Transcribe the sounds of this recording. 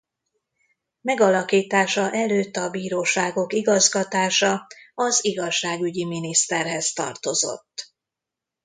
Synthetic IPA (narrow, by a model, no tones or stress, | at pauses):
mɛɡɒlɒkiːt̪aːʃɒʔɛløːt̪ːɒbiːɾoːʃaːɡo̞kiɡɒzɡɒt̪aːʃɒɒziɡɒʃːaːɡyɟiminist̪ɛrɦɛst̪ɒ̰rt̪o̞zo̞̰t̪ː